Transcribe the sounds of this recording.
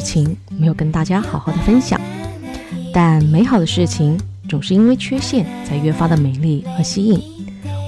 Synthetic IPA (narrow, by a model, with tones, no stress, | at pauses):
t͡ɕʰi˧˩ŋmme˧˥ɪjo˨˩ʊkə˥nt̪a˥˩t͡ɕja˥xɑ˨˩˥ʊxɑ˥˩ʊd̪ə˩fə˥nɕjɑ̰˨˩˦ŋ | t̪a˥˩nme˧˥ɪxɑ˨˩ʊd̪ə˦ʂɻ̩˥˩t͡ɕʰi˨˩ŋt͡sʊ˨˩ŋʂɻ̩˥˩i˥nwe˥˧˩ɪt͡ɕʰɥɛ˥ɕjɛ˥˩˧nt͡sʰa˧ɪɥɛ˥fa˥d̪ə˨˩me˨˧˩ɪli˥˩xɤ˧˥ɕi˥i˥˩ŋ